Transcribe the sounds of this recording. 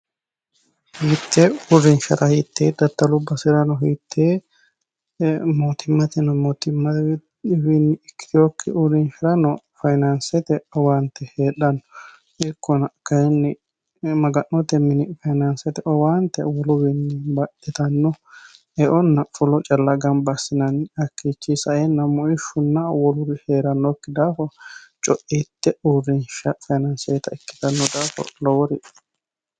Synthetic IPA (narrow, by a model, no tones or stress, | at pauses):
hit̪ːɛʊɾɪnʃɐɾɐhit̪ʰːeːd̪ɐt̪ːɐlʊbːɐsɪɾɐnɔɦit̪ʰːe | mot̪ʰɪmːɐt̪ɪnɔmot̪ɪmːɐ | bɪnːkːɪ̥ɪɔkʰːɪʔʊɾɪnʃɪɾɐnɔ | fɐjnansɛt̪ɛɔwaːnt̪ːɛheːᶑɐnːɔ | ʔɪkːɔnɐkɐɛnːɪ | mɐɡɐʔːɔt̪ɛmɪnɪfɐjnɐnsɛt̪ɛʔɔwaːnt̪ɛ̰wɔlʊbɪnːɪbɐʔɛt̪ɐnːɔ | ɛʔɔnːɐfʊlɔt͡ʃʼɐlːɐɡɐnbɐsːɪnɐnɐkːiːt͡ʃːisɐʔɛnːɐmʊʔɪʃʊnːɐwɔlʊɾɪheːɾɐnːɔkːɪd̪aːfɔt͡ʃʼɔʔiːt̪ːɛʔurːɪnʃɐfɐjnɐnsɛjt̪ɐɪkːɪ̥t̪ɐnːɔd̪aːfɔ̰lɔwɔɾɪʔ